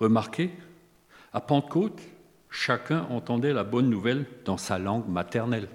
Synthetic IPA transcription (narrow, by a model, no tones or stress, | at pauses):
ʁəmaʁkʰe | apɑ̃d̪əkot̪ | ʃakʲɛ̃ʔɑ̃t̪ɑ̃d̪ɛlabɔnːuvɛld̪ɑ̃salɑ̃ɡmat̪ɛʁnɛl